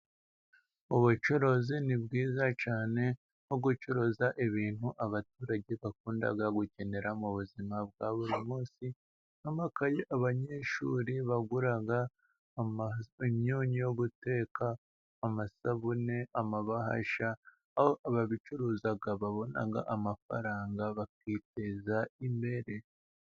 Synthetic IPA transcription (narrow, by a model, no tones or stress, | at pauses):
uβut͡ʃo̞ɾo̞zinibɡiːzat͡ʃaːne̞ | hoɡut͡ʃo̞ɾo̞zaʔiβiːn̥huʔaβatuːɾaɟe̞βakuːnda̰ɡaɡuce̞ne̞ɾamuβuzimab̚ɡaβuɾimuːsi | namakajeʔaβaɲe̞ːʃṵɾiβaɡuɾaɡa | emɲoːɲijo̞ɡute̞ːkaː | masaβune̞ʔamaβaɦa̰ʃaː | hoʔaβaβit͡ʃuɾuːzaɡaβaβo̞na̰ɡa̰ʔamafa̰ɾaːŋɡaβakiːte̞zaimbe̞ɾe̞